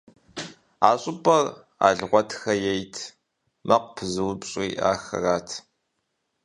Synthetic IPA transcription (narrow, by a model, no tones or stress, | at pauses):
aːɕʼɪpʼɐr | a̰ːɮʁʷɔtʰxɐjɛjtʰ | mɐqʷpʰɨzɨwbɕʼiːʔa̰ːxɐ̰raːtʰ